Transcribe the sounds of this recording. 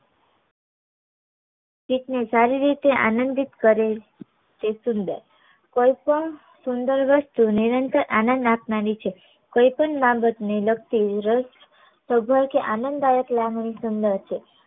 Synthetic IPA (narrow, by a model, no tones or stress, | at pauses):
pit̪nesaɾiɾit̪eʔa̰nə̃nd̪it̪kəɾe | t̪esʊnd̪ə̰ɾ | koipəɳ | sund̪əɾʋəst̪uniɾənt̪əɾʔanə̃nd̪apnaɾit͡ʃʰe | koipəɳmabət̪nelək̚t̪iɾə | səbʱəjkeʔanə̃nd̪ajək̪laɡnisund̪əɾt͡ʃʰe